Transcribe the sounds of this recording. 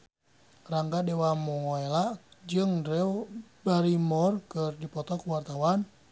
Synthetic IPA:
raŋɡadɛwamuŋɔelad͡ʒɨŋdɾɛwbaɾimɔrkɨrdipɔt̪ɔkuwart̪awan

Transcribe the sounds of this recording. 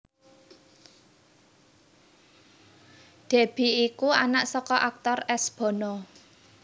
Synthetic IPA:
d̪̥e̤b̥i̤ikua̰naʔsɔkɔʔak̚t̪ɔrɛsb̥ɔ̤nɔ

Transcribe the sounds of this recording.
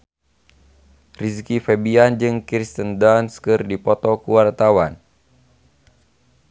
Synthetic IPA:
riskifɛbiand͡ʒɨŋkɾist̪əndanskərdipɔt̪ɔkuwart̪awan

